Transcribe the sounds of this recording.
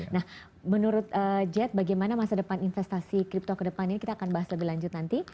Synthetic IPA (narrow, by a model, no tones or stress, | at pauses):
nah | mənuɾʊt̪̚əd͡ʒɛt̪̚baɡajmanamasadəpaninfɛst̪asikɾip̚t̪okədəpaninikit̪aːkanbaɦasləbihlaɲd͡ʒʊt̪̚nant̪i